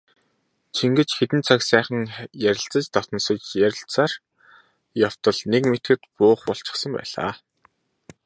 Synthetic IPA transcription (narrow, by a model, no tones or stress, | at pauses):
t͡ɕʰiŋɡɘ̆t͡ɕxet̪ɘ̆nt͡sʰaksæːχə̆ŋjæɾʲɪ̆ɬt͡sə̆t͡ɕt̪ɔt̪ɞnsɞ̆t͡ɕjæɾʲɪ̆ɬt͡saːr | jaw̥t̪ɞ̆ɮnekmet̪ɡɘ̆t̪pʊːχpɔɬt͡ɕɪ̥̆χsə̆mpæ̰ːɮa̰ː